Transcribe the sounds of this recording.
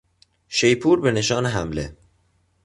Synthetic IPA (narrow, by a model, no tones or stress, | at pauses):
ʃe̞jpʰuːɾbe̞ne̞ʃɒːneɦæmlḛ